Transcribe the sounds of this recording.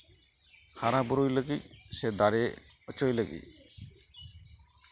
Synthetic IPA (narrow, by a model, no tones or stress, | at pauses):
haɾabuɾujləɡisɛd̪aɾeɔt͡ʃojləɡḭ